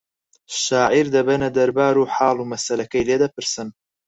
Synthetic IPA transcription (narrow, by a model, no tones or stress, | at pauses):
ʃaːʕiɾd̪ɐbɐnɐd̪ɐɾbaːɾuːħɑːlˠuːmɐsɐlɐkɐjled̪ɐpɨɾsɨn